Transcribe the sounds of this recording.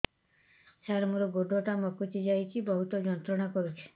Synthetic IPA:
saɾmuɾɔɡoɖɔʈamɔkut͡ʃid͡ʒajt͡ʃʰibɔɦut̪ɔd͡ʒɔnt̪ɾɔɽ̃akɔɾut͡ʃʰi̥

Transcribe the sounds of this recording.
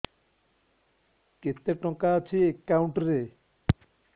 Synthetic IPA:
ket̪ːeʈɔkaːt͡ʃʰiekːawɳʈɾe

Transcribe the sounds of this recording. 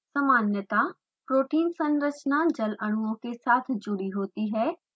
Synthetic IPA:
sɐmaːnjət̪a | pɾoːʈiːnsə̃nɾət͡ʃnad͡ʒɐləɽ̃uõkesaːt̪ʰd͡ʒʊɽiɦoːt̪iɦɛː

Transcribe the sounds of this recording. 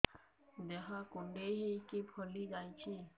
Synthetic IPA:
d͡ʒeɦãkʊɳɖeɦikipʰəlid͡ʒaːjt͡ʃʰi

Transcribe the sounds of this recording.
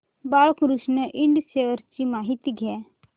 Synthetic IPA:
balkɾusnəʔiɳɖseʋəɾt͡ɕimaɦit̪iɡʱɛ

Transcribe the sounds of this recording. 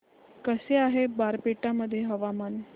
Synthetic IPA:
kəseaɦebaɾpeʈaməd̪ʱːjeɦəʋaman

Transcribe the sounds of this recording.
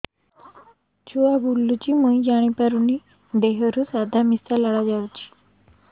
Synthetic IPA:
t͡ɕuʋabʱulːut͡ɕiːməjjaɽ̃ipaɾuni | d̪eɦəɾusad̪ʱamisalaɭad͡ʑawt͡ɕi̥ː

